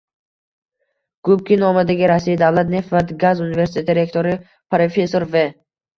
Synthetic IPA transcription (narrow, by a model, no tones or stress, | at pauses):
ɡ̥ub̚kʲinɔmad̪aɡʲiɾasiid̪avlat̪nefvat̪ɡazunive̞ɾsi̥t̪ʰeiɾe̞kt̪ʰoɾi | pɾofe̞soɾve